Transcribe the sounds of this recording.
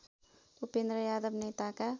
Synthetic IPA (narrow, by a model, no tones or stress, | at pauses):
upẽnd̪ɾəjaːd̪əbneːt̪aka